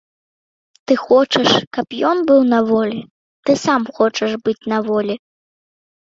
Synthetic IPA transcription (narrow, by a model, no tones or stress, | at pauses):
t̪ɨxɔt͡ʂɐʂkɐpjɔnbɨwnɐvɔlʲi | t̪ɨsamxɔt͡ʂɐʂbɨt͡sʲnɐvɔlʲi